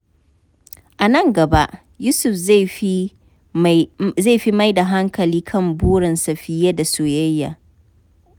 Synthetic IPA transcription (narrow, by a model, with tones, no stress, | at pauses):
ʔa˨nɐ˦ŋɡɐ˨ba˦ʔ | juː˦sʊ˨fzi˦ | ze˦˨ɸi˦ma˦jda˨ɦa˦ŋkɐ˨liː˦kʰɐ˦˨mbʊː˦ɾɪ˨nsɐ˨ɸɪ˦ja˦da˨soː˨jɐ˦jːa̰˨